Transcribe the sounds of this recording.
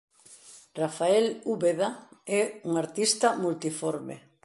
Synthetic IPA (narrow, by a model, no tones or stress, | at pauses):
rafaɛluβeðaɛuŋaɾt̪ist̪ɐmult̪ifɔɾmḛ